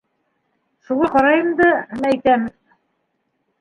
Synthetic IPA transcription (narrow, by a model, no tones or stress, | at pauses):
ʃulˠɑqɒɾɑjɤ̆md̪ɤmæjt̪æm